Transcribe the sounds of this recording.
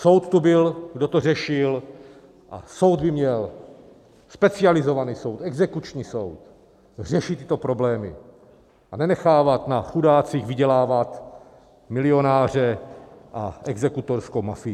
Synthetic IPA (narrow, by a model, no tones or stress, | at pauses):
so̞wt̪t̪ubɪlɡdot̪or̝ɛʃɪl | ʔa̰so̞wd̪̚bɪmɲɛl | spɛt͡sɪalɪzo̞vaniːso̞wt̪ɛɡzɛkut͡ʃɲiːso̞wt̪ | r̝ɛʃɪt̪ːɪ̥t̪opɾo̞blɛːmɪ̰ | ʔanɛnɛxaːvat̪naxudaːt͡sixvɪɟɛlaːvat̪ | mɪlɪo̞naːr̝ɛʔaʔɛɡzɛkut̪oɾskowmafɪ